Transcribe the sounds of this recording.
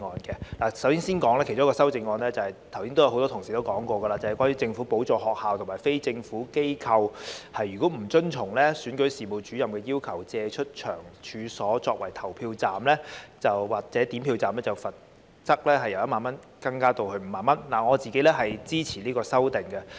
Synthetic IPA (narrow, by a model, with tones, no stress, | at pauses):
ɔː˧nkɛ˧laː˨˩sɐ˨˥wsiː˥ŋsiː˥nkɔː˨˥ŋlɛː˥kʰjt͡ʃʊ˥kɔː˧sɐ˥wt͡sɪ˧ŋːɔː˧nlɛː˥t͡sɐ˨˩hɐ˨jt̪ʰɐ˨˩wsiː˥nt̪wjɐ˧wo˨˧wt̪ɔː˥t̪ʰʊ˨ŋsiː˨˩t̪o˥kɔː˨˥ŋkʷɔː˧ɡə˧laː˧t͡sɐ˨˩hjkʷwaː˥nyː˧˥t͡sɪ˧ŋfuː˨˥po˨˥wt͡sɔː˧hɔː˨k̚haː˨wt̪ʰʊ˨˩maː˨˩fe˥jt͡sɪ˧ŋfuː˨˥ke˥jkʰɐ˧whɐ˨jːyː˨kɔ˨˥m̩˨˩t͡ʃɵ˥nt͡ʃʰʊ˨˩ŋlɛː˥syː˨˥nkɵ˨˥ɥsiː˨˩mo˨˩t͡ʃyː˨˥jɐ˨mkɛː˧jiː˥wkʰɐ˨˩wt͡sɛː˧t͡ʃʰɵ˥t̚t͡ʃʰœ̰ː˨˩ŋt͡ʃʰyː˨˧sɔː˨˥t͡sɔː˧k̚wɐ˨˩jt̪ʰɐ˨˩wpʰiː˧wt͡saː˨mlɛː˥t͡sɐ˨wwaː˨˩k̚t͡sɛː˨˥t̪iː˨˥mpʰiː˧wt͡saː˨mlɛː˥t͡sɐ˨wfɐ˨t̚ | t͡sɐ˥k̚lɛː˥ɦɐ˨jɐ˨˩wjɐ˥maː˨nmɐ˥n | kɐ˧ŋkaː˥t̪o˧whɵ˧ɥm̩˨˩maː˨˩nmɐ˥nlaː˨˩ŋɔː˨˧t͡siː˨ke˨˥jlɛ˥ɦɐ˨jt͡siː˥t͡sʰiː˨˩liː˥kɔː˧sɐ˥wt̪ɪ˨˩ŋkɛ˧